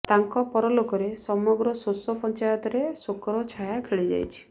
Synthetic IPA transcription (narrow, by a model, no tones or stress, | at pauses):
t̪aŋkɔpɔɾɔlokɔɾesɔmɔɡɾɔsosɔpɔnt͡ʃajɔt̪ɔɾesokɔɾɔt͡ʃʰajakʰeɭid͡ʒa̰jt͡ʃʰi̥